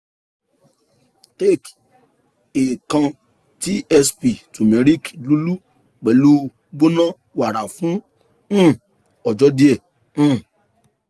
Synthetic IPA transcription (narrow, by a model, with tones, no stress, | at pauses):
te˦˨k | e˨kã˧ | ti˦ɛ˧spi˨tu˨mɛ̃˨˦ɾi˦klu˨˦lu˦ | k͡pɛ˨lu˦ | bo˦nã˦ | wa˨ɾa˨fũ˨˦˨ | ɔ˨d͡ʒɔ˨˦di˦ɛ̃˦˨˦